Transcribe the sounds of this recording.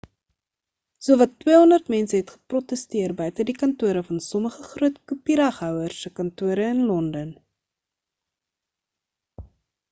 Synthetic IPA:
suəvɐtːwiːəɦɔndərtmɛnsəɦɛtχə̥prɔtəstiərbœɥtədikɐntuəɾəfɐnsɔməχəχruətkupiɾɐχɦœwərsəkɐntuəɾəənlɔndən

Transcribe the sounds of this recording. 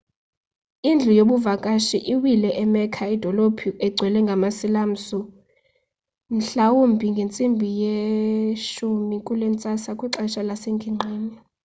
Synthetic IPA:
ind͡ɮʱujoɓuvakʼaʃiʔiwilɛʔɛmɛkʰaid̥ʱɔlopʰiɛɡ͡ǀʱwɛlɛŋɡʱamasilam̩su | m̩ɬawumbʱiŋɡʱent͡sʼimbʱije | ʃumikʼulɛnt͡sʼasakʼiǁaʃalaseŋɡʱiŋ͡ǃʱeːni

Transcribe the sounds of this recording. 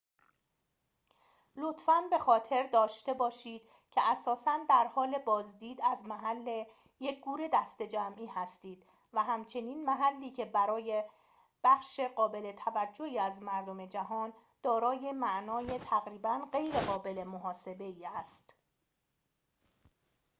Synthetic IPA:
lo̞t̪fænbe̞xɒːt̪ʰe̞ɾd̪ɒːʃt̪e̞bɒːʃiːd̪̥ | cʰeʔæsɒːsænd̪æɾhɒːle̞bɒːzd̪iːd̪æzmæɦælːe | je̞c̚ʰɡ̥uːɾe̞d̪æst̪e̞d͡ʒæmʔiːhæst̪iːd̪̥ | væɦæmt͡ʃʰe̞niːnmæɦælːiːcʰe̞bæɾɒːje̞ | b̥æxʃe̞ɢɒːbe̞le̞t̪ʰævæd͡ʒːo̞hiːæzmæɾd̪o̞me̞d͡ʒæɦɒːn | d̪̥ɒːɾɒːje̞mæʔnɒːje̞t̪ʰæɣɾiːbænɢe̞jɾeɣɒːbe̞le̞moɦɒːse̞be̞iːæst̪

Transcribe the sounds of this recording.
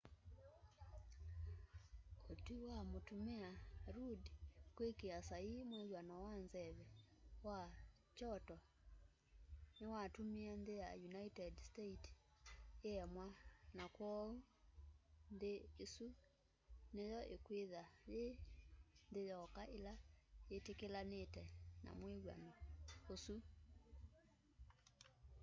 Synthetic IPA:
otiwamotumeaɾudkwekeasaimweɣwanawanzɛβɛwa | t͡ʃɔtɔ | newatomiandejajunaitɛdsteit | eɛmwanakwɔo | ndeːsu | nejɔʔekweðaje | ndejɔkaʔelaetekelanetɛna̰mweɣwa̰nɔosu

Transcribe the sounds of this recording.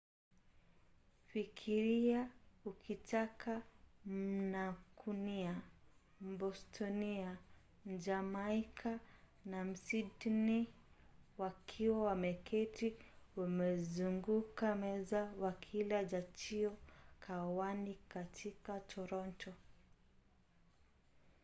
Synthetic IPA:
fikʰiɾiaukʰitakʰam̩nakʰunia | m̩bɔstʰɔnia | m̩d͡ʒamakʰa | nam̩sitni | wakʰiwawamɛkʰɛtiwamɛzuŋɡukamɛzawakʰilad͡ʒat͡ʃiɔkʰawanikatʰikatʰɔɾɔntʰɔ

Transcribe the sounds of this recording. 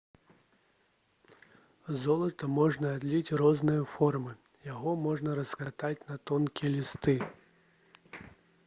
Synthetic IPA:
zɔlˠɐt̪ɐmɔʐnɐːd̪lʲit͡sʲrɔznɨjɐfɔrmɨ | jaɣɔmɔʐnɐɾɐskat̪at͡sʲnɐt̪ɔnkʲijɛlʲist̪ɨ

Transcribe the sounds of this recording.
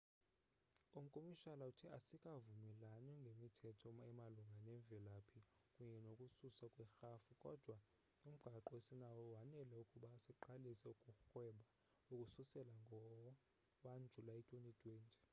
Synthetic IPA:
um̩kʼomiʃalautʰiasikʼavumɛlanɔŋɡʱemitʰɛtʰɔɛmaluŋɡʱanɛɱvʱɛlapʰi | kʼuɲɛnokʼususakʼwɛxafukʼɔd̥ʱwa | um̩ɡ̥ʱaǃɔesinawɔwanɛlɛukʼuɓasiǃalisɛukʼuxwɛɓa | ukʼususɛlaŋɡʱɔ | ɓand͡ʒʱulaitʼenid̥ʱʼweːnd͡ʒʱʼɛ̥

